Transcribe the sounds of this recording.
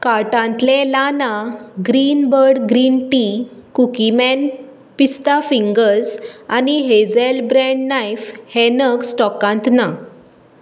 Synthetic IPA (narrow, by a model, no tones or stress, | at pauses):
kaɾʈãnt̪lẽlanaɡɾinbəɾɽɡɾinʈi | kukimɛn | pist̪afiŋɡəɾsaniɦed͡zɛlbɾɛ̃ɳɖnajfhɛnəksʈɔkãnt̪na